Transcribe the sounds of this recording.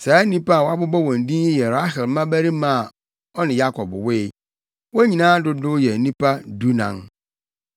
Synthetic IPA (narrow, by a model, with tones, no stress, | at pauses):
sa˨˦nĩ˦pa˦a˨wa˦bʊ˦bɔ˦wɔ̃˨n˨dĩ˦n˦ji˦jɛ˨ɾa˦ɦɪ˨lmã˦bæ˦ɾi˦mã˨ | ɔ˦nɪ̃˨ja˦kʰɔ˨bwɪ˦ | wɔ˦ɲĩ˨nãː˦dʊ˦dʊ˦jɛ˨nĩ˦pa˦du˦nã̰˨n